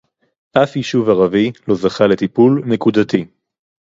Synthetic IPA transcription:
ʔafhiʃuvaʁavilo̞zaχale̞t̪ipulne̞kudat̪i

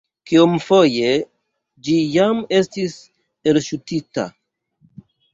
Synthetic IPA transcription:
kiomfo̞je̞ | d͡ʒijame̞stis | elʃutita̰

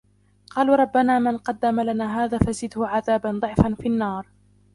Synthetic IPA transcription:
qɑːlɾˤɑbːanaːmɪnqɑd̪ːamalanaːɦaːðaːfazɪd̪hʊʕaðaːband̪ˤɨʕfanfinːɑːɾˤ

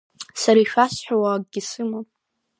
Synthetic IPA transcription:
saɾaiʃᶣasħʷᶣawakʼɡʲɪsɨmonʼ

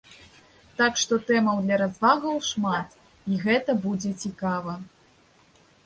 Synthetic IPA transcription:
t̪akʂt̪ɔt̪ɛmɐwd̪lʲɐɾazvaɣɐwʂmat̪ | iɣɛt̪ɐbud͡zʲɛt͡sʲikavɐ

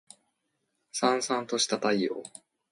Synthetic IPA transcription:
sãɰ̃sãnt̪o̞ɕi̥t̪at̪aio̰ː

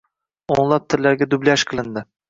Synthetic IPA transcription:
oɴlˠap̚t̪ʰɪɾlaɾɡʲad̪ʊblaʃqʰɨlˠɪnd̪ɪ

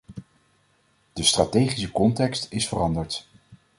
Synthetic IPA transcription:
d̥əstratejχisəkɔntɛkstɪsfərɑndəɹt

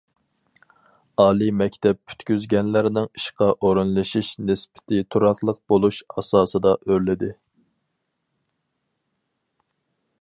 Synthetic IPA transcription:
ɑːlˠimɛkʲt̪ʰɛp̚pʰy̥t̪kʲyzɡʲɛnlɪɾnɪŋi̥ʃqɑʔoɾɨnlˠɨʃiʃnɪspɪ̥t̪ʰɪt̪ʰuɾɑχlˠəq̚b̥olˠuʃɑ̰sɑːsɨd̪ɑʔøɾlɪd̪ɪ

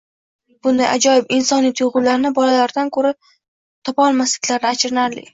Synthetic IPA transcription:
b̥ʊnd̪ajʔa̰d͡ʒɒjɪpɪnsɒnijat̪joʁʊlaɾɪnɪbɒlalaɾd̪ankʰɵɾa | t̪ʰɒpɒlˠmaslɪkʲlaɾnɪat͡ʃʰɾɪnaɾlɪ̰kʲ

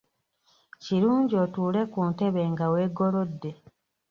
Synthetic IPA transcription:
ciɾuːɲɟio̞ːtuːle̞kuːnte̞βe̞ŋɡawe̞ːɡo̞lo̞dːe̞

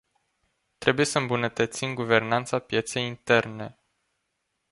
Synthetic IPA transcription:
t̪ɾe̞buje̞səɨmbunət̪ət̪simɡuve̞rnant̪sapje̞t̪se̞jint̪e̞rne̞

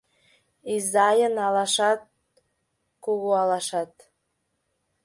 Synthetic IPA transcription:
izɑjənɑlɑʃɑt̪̚ | kuɣoɑlɑʃɑt̪

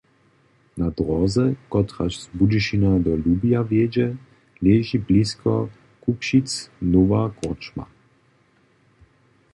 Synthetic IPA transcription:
nad̪ɾɔzɛkɔt̪ɾat͡ʃzbudiʃinad̪ɔlubijavjed͡ʒɛ | leːʒibliskʰɔ̰ | kupʃit̪snoʋakort͡ʃma̰

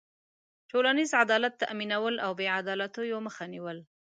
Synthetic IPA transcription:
ʈolanizʕad̪ɑlat̪ːa̰ʔminawəlawbeʕad̪ɑlat̪ojoməxaniwəl

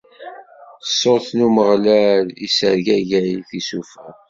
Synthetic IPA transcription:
əsːoɾθnuməʁlælisəɾʝæʝæiθisufæ

